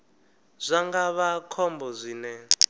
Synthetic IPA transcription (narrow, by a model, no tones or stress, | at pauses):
z̥ʷaŋɡaβakʰɔmbɔzʷiːnɛ